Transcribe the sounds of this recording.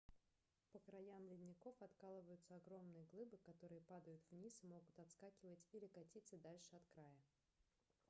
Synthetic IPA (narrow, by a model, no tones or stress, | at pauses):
pəkɾɐjamlʲɪd̪ʲnʲɪko̞fɐt̪kalˠəvəjʊt̪səɐɡɾo̞mnɨjəɡlˠɨbɨkɐt̪o̞ɾɨjəpad̪əjʊt̪vnʲismo̞ɡʊt̪ɐt̪skakʲɪvətʲilʲɪkɐtʲit̪səd̪alʲʂɨɐt̪kɾajə